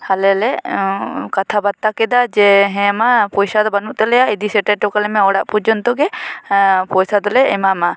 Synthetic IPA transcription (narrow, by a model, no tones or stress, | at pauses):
halɛlɛ | kat̪ʰabat̪ːakɛd̪ad͡ʒɛɦɛ̃mapɔjsad̪ɔbanuʔt̪ɛlɛjaid̪isɛʈɛʈɔkalɛmɛɔɽaʔpud͡ʒɔnt̪ɔɡɛ | pɔjsad̪ɔlɛɛmama